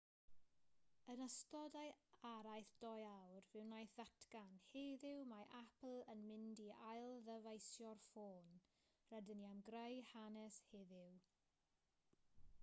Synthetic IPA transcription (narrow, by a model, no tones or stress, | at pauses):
ənəstɔdajaɾajθd̥ɔjawrvɨwnajθatʰɡanheːðɪwmaʔapl̩ˠənmɪndiajlˠðəvajsjɔrfoːn | rɛdɪniamɡrəjhanɛsheːðɪw